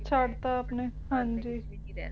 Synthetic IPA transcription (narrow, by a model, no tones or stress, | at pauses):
t͡ʃʰaɽt̪aːpnehãnd͡ʒiː